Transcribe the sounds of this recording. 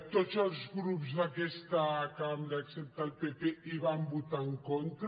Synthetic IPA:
t̪ot̪sɔɾzɣɾupzðakɛst̪akamɾaksept̪alpepeiβambut̪aŋkont̪ɾ

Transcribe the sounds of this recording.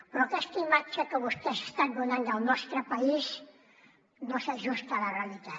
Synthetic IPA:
pɾokest̪imat͡ʃːakəβust̪ese̥st̪anɡ̪unand̪alnɔst̪ɾəpais | noseʒust̪alarealit̪a

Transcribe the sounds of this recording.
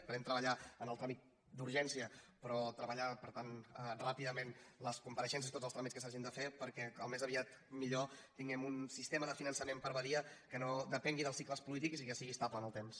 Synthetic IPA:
pəðɛmt̪ɾəβəʎaənəlˠt̪ɾamik̚ | d̪uɾʒɛnsiəpɾɔt̪ɾəβəʎapəɾt̪anərapiðəmenləskumpəɾəʃɛns̬əsit̪otzəst̪ɾamit͡skəsaʒind̪əfepəɾkɛəlˠmezəβiat̪ | miʎot̪iŋɡɛmunsist̪eməðəfinənsəmempəɾβəɾiəkənoðəpɛŋɡiðəlˠsikləspulit̪̬iksikəsiɣiəst̪aβlənəlˠt̪ems

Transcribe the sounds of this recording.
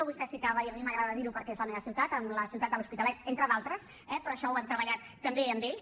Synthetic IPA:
əβust̪ɛsikaβəiəmiməɣɾaðəðəðiɾupəɾkɛezləmeβəsiwt̪at̪əmləsiwt̪at̪əluspit̪əlɛt̪̚ent̪ɾəðalˠt̪ɾəs | ɛpɾɔəʃɔwant̪ɾəβəʎat̪ːəmbeəmbeʎs

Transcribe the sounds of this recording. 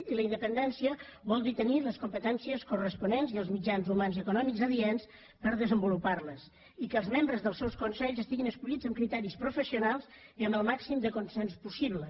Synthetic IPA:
iləinəpənd̪ɛnsiəβɔlˠd̪it̪əniləskumpət̪ɛnsiəskurəspunenziəlˠzmid͡ʒanzumanzəkunɔmikzəðiɛns | pəɾðəzəmbuluparləs | ikəːlˠzmembɾəzðəlˠsɛwskunsɛʎzəst̪iɣinəskuʎid͡zəmkɾit̪ɛɾispɾufəsiunalˠziəmbəlˠmaksimd̪əkunsɛnspusiβlə

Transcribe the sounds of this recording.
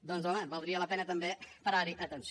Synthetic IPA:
d̪õnzomɐ̃valˠɾiɐlapenɐt̪ɐ̃mbẽj̃pɐɾaɾĩʔɐt̪ẽnt̪ʃ

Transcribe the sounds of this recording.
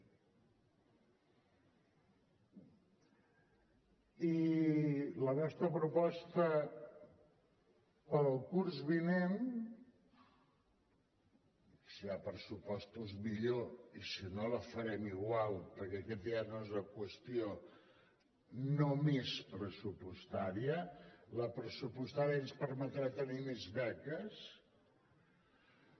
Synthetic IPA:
i | lənɔst̪ɾəpɾupɔst̪ə | pəɾəlˠkuɾzβinen | siapɾəsupɔst̪uzmiʎoisinoləfəɾɛmiɣwalˠpəɾkɛəkɛt̪̚d̪ianoezləkwəst̪io | nomespɾəsupust̪aɾiələpɾəsupust̪aɾiənspəɾmət̪ɾat̪ənimezβɛkəs

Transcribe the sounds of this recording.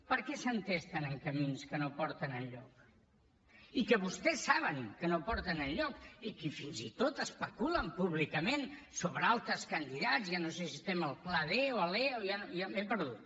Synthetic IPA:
pəɾkɛsənt̪est̪ənəŋkəminskənopɔɾt̪ənəʎʎɔk̚ | ikəβust̪ɛsːaβəŋkənopɔɾt̪ənəlʎɔkikifinzit̪ot̪əspəkuləmpuβlikəmensoβɾəalˠt̪ɾəskənd̪iðazjanosesist̪ɛməlˠplaðeoəlɛojanojamepəɾðut̪

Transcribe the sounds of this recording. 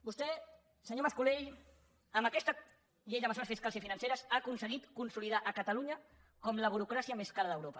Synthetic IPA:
bust̪ɛ | səɲoməskuleʎ | əmbəkɛst̪ə | ʎejðəməsoɾəsfiskalˠsifinənseɾəzakunsəɣit̪kunsuliðaʔəkət̪əluɲə | kɔmləβuɾukɾasiəmeskaɾəðəwɾopə

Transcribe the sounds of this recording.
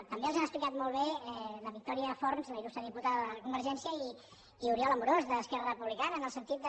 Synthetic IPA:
t̪əmbelzanəsplikat̪mɔlˠβeɛləβik̚t̪ɔɾiəfɔɾnzləilust̪ɾəðiput̪aðəðəələkumbəɾʒɛnsiəiː | uɾiɔlˠəmuɾozðəːskɛrərəpuβlikanəːnəlˠsənt̪it̪̚d̪ə

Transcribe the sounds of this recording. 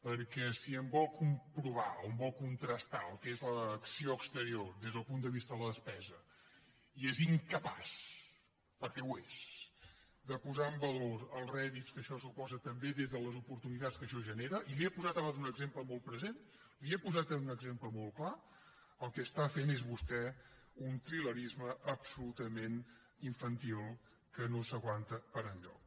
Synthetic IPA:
pəɾkɛsiəmbɔlˠkumpɾuβaoəmbɔlˠkunt̪ɾəst̪aəlˠkezləːksioəkst̪əɾiordezðəlˠpund̪əβ̞ist̪əðələðəspɛzə | ieziŋkəpas | pəɾkɛwes | d̪əpuzaəmbəloɾəlˠrɛðitskəʃɔsupɔzət̪əmbeðezðələzupuɾt̪unit̪at͡skəʃɔʒəneɾəʔiliepuzat̪əβanzunəɡzempləmɔlˠt̪pɾəzen | liepuzat̪ənunəɡzempləmɔlˠkla | əlˠkɛːst̪afenezβust̪ɛ | unt̪ɾiləɾizməəpsulut̪əmen | iɱfənt̪ilˠ | kənosəɣwant̪əpəɾənʎɔ̰k̚

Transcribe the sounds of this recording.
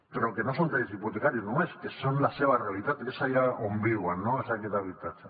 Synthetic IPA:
kɾawkenosolt̪aɾizipot̪ekaɾinueskesonlaseβareβit̪at̪eesajaʔombiwanːoezt̪akit̪aβit̪at͡se

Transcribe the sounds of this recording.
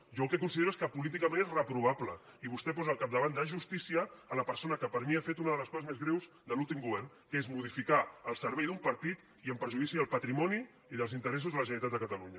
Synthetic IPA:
ʒɔəlˠkɛkunsiðeɾueskəpulit̪̬ikəmẽnezrəpɾuβ̞aplə | iβust̪ɛpɔzəːlˠkab̚d̪əβand̪aʒust̪isiəːləpəɾsonəkəpəɾmiafet̪unəðələskɔzəzmezɣɾewz | d̪əlulˠt̪imɡuβɛɾn | kezmuð̞ifikaəlˠsəɾβɛjðumpəɾt̪it̪ | iəmpəɾʒuðisiðəlˠpət̪ɾimɔni | iðəlˠzint̪əɾɛs̬uzðələʒənəɾit̪at̪d̪əkət̪əluɲə

